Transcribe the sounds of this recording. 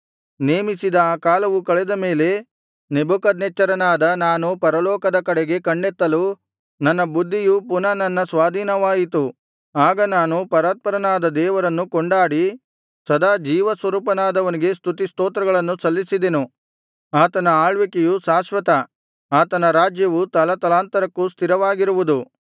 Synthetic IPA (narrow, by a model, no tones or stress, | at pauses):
neːmisid̪ɐːkaːlɐʋukɐɭɛd̪ɐme̞ːle̞ | nebukɐd̪net͡ʃːɐɾɐnaːd̪ɐnaːnupɐɾɐlɔːkɐd̪ɐkɐɽeɡe̞kɐɳɖet̪ːɐlu | nɐnːɐbud̪ʱːijupunɐnɐnːɐsʋaːd̪ʱiːnɐʋaːjit̪̬u | aːɡɐnaːnupɐɾaːt̪̚pɐɾɐnaːd̪ɐd̪ɛːʋɐɾɐnːukoɳɖaːɽi | sɐd̪aːd͡ʒiːʋɐsʋɐɾuːpɐnaːd̪ɐʋɐniɡe̞st̪ʰut̪ist̪oːt̪ɾɐɡɐɭɐnːusɐlːisid̪enu | aːt̪ɐnɐaːɭʋikejusaːʃʋɐt̪ɐ | aːt̪ɐnɐɾaːd͡ʒjɐʋut̪ɐlɐt̪ɐlaːnt̪ɐɾɐkːust̪ʰiɾɐʋaːɡiɾuʋud̪u